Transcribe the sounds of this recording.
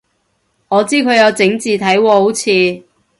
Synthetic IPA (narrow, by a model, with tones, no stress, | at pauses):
ŋɔː˨˧t͡siː˥kʰɵ˨˧ɥjɐ˨˧wt͡sɪ˨˥ŋt͡siː˨t̪ʰɐ˨˥jwɔː˧ho˨˥wt͡sʰiː˨˧